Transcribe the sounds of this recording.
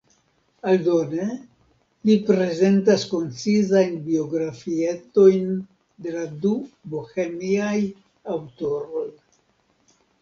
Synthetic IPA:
aldone̞ | lipɾe̞ze̞ntasko̞nt͡sizajnbio̞ɡɾafie̞to̞jn | de̞ladubohemiaj | awto̞ɾo̞j

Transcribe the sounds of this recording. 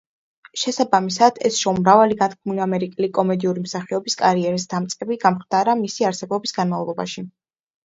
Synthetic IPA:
ʃɛsabamisad̪̥ɛ̰sʃɔmɾavaliɡat̪kʰmunamɛɾikʼɛlikʼɔmɛd̪iuɾimsaχiɔbiskʼaɾiɛɾis̬d̪̥amt̪sʼɛbiɡamχd̪aɾamisiaɾsɛbɔbisɡanmavlˠlˠɔba̰ʃi

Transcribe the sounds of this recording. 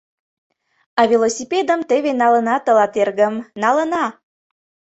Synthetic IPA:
ɑvʲilosʲiped̪əmt̪eβenɑlə̆nɑt̪əlɑt̪erɣəmnɑlə̆nɑ

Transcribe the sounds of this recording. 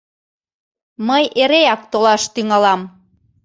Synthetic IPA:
məjʔeɾeɑk̚t̪olɑʃt̪yŋɑlɑm

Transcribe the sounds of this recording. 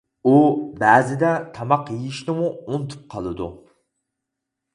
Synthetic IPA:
ubæːzɪd̪ɛt̪ʰɑmɑqjijiʃnɪmuunt̪ʰu̥p̚qʰɑlˠɨd̪ṵ

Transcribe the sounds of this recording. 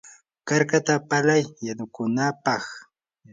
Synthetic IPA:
kaɾkat̪apalajːanʊkʊnapɑχ

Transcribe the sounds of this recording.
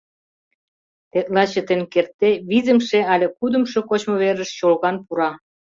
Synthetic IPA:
t̪et̪̚lɑt͡ɕə̆t̪enʲkert̪ːeβizə̆mʃeɑlʲĕkud̪ə̆mʃŏkot͡ɕmŏβeɾə̆ʃɕolɣɑnpuɾɑ

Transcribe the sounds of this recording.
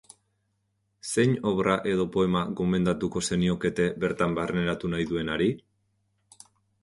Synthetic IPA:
se̞ɲo̞βɾaʔe̞ðo̞po̞e̞maɣo̞me̞nd̪at̪uko̞se̞nio̞ke̞t̪e̞βe̞ɾt̪ambarne̞ɾat̪unajðue̞naɾi

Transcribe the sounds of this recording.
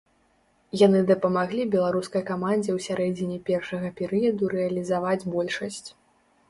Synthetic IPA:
janɨd̪ɐpɐmaɣlʲibʲɛlˠaɾuskɐjkamanʲd͡zʲɛwsʲaɾɛd͡zʲinʲipʲɛrʂɐɣɐpʲɛɾɨjɐd̪uɾɛɐlʲizavad͡zʲbɔlʲʂɐsʲt͡sʲ

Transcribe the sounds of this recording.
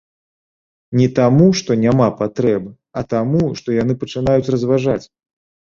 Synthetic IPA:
nʲɛt̪amuʂt̪ɔnʲamapat̪ɾɛbɨ | ɐt̪amuʂt̪ɔjan̪ɨpɐt͡ʂɨnajut͡sʲrɐzvaʐat͡sʲ

